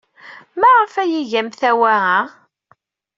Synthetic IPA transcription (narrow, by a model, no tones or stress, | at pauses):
mæʁəfæjiʝæmθæwæa